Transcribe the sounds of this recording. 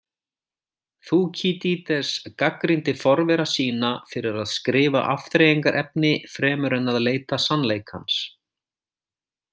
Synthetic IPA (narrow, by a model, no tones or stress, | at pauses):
θucʰiːt̪it̪ɛskakɾint̪ɪfɔɾvɛɾasiːnafɪɾɪɾaðskɾɪːva̰ʔaft̪ɾeːjiŋkaɾʔɛp̚nɪfɾɛːmʏɾɛnːaðleːjt̪asanleːjkha̰ns